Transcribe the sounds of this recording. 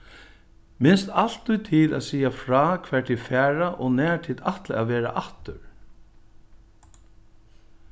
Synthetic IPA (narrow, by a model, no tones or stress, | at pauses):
mɪnst̪al̥t̪ːʊjt̪ʰɪla̰ːsiːafɾaːkʰʋɛːɹʈ̪ʰiːfæːɹaʔɔnɛːʈ̪ʰiːd̪aht̪laaʋɛːɾa̰ʔaht̪ʏɹ